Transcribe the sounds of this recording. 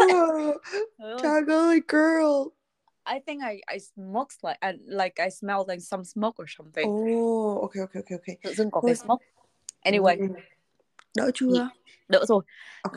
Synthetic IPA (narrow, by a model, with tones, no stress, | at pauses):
tʰaɡəliɡə˞lˠ | ʔa˨ɪjθɪ̃ŋka˨jʔa̰ɪsmo˦kslaɪkʔanla˧jka˨jsmɛlˠla˨ɪksʌ̃˧msmo˦k̚ə˞˨sʌ̃˧mθɪ̃ŋoo˨kʰe˦o˨˧kʰe˧o˨kʰe˧ʔo˨kʰe˧ɨ̰˧˨zɨ˧ŋkɔ˨˦ksmo˦˥k̚ | ʔɛ˧ñiwe˨j | ɗə̰ː˧˥t͡ʃu˧a˧ | ɗə̰ː˧˥zo˧˩jo